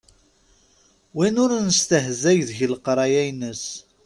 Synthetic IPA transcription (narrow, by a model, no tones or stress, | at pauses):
winʊɾnəst̪əɦzæʝðʝələqɾˤɑjæjnəs